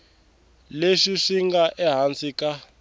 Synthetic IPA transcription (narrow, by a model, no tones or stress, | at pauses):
leʃiʂiŋɡaʔɛɦant͡sika